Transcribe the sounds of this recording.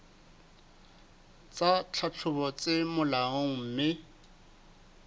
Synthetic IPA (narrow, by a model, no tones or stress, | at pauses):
t͡sʼat͡ɬʰat͡ɬʰʊbɔt͡sʼɪmʊlaɔŋ̩ːmɪ